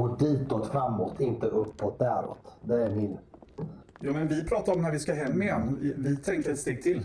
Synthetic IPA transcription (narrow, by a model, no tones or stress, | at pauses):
ɔd̪iːt̪ot̪fɾamːoːt̪ʰɪnt̪əʔɵpːot̪̚d̪æːɾo̰ːt̪d̪ɛæɾmɪn | jɑːmɛnvɪpʰɾɑːt̪aɾɔmnæɾvɪskaɦɛmːɪjɛnːvɪt̪ʰɛŋkt̪əɛt̪st̪eːɡ̚t̪ʰɪl